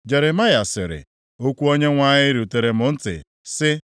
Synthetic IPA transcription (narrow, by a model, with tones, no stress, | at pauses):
d͡ʒe˨ɾɪ˨ma˦ja˨sɪ˨ɾɪ̰˨ | o˦kʷu˦o˦ɲe˦ŋʷa˦ɲɪ˦ɾi˨u˨te˨ɾe˨mʊ˨n̩˦tɪ̰˨ | sɪ˦